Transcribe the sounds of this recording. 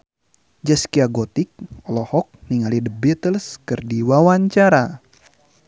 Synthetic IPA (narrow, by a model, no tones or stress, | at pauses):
d͡ʒəskiaɡɔt̪ik̚ɔlɔhɔk̚niŋalidəbit̪əlskɨrdiwawaɲt͡ʃaɾa